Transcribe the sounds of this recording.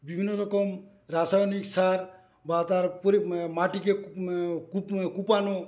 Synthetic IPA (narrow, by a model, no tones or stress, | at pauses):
bibʱinɔɾɔkɔm | ɾasajniksaɾ | bat̪aɾpɔɾimaʈik̬e | kupkupanɔ